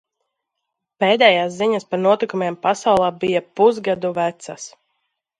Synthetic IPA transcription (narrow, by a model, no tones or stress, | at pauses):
peːd̪ɛːjaːsziɲaspaɾnuɔt̪ikumeːmpasawlˠaːbijapuzɡad̪uvæt̪sas